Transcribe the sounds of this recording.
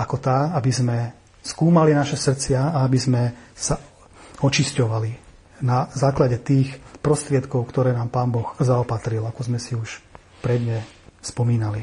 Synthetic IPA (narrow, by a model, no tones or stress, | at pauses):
akɔt̪aːabizmɛ | skuːmalinaʃɛsr̩t͡sɪaaabizmɛsa | ɔt͡ʃiscɔʋali | nazaːklaɟɛt̪iːxpɾɔst̪ɾɪɛt̪kɔʊkt̪ɔɾɛːnaːmpaːnbɔxzaɔpat̪ɾilakɔzmɛsiuʃ | pɾɛd̪ɲɛspɔmiːnali